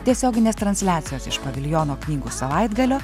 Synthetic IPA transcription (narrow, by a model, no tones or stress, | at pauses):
t̪ʲiɛsʲoːɡʲɪnʲeːst̪ɾɐnʲsʲlʲæːt̪sʲɪjoːsɪʃpɐʋʲɪlʲjoːnoːknʲiːɡuːsɐʋɐɪd̪ɡɐlʲoː